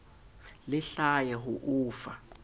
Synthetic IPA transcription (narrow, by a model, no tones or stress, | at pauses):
lɪɬajɛɦuʔuːfa